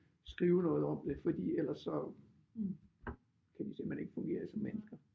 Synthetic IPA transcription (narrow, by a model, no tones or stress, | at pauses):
sɡ̥ʁiːʊnɔ̽ːð̩ˠɒ̽m̰d̥e̝fɒ̽d̥ḭːel̰ɐsɒ̽ | kʰæʋise̝ːmæne̝ɡ̥əfɔ̽ŋɡ̥e̝̰ːɐsɒ̽mːenəsɡ̥ɐ